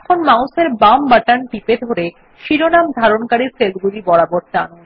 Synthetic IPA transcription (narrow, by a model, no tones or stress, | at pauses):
ɛkʰonmawseɾbambaʈanʈiped̪ʱoɾe | ʃiɾonamd̪ʱaɾonkaɾiselɡulibɔɽabɔɾt̪an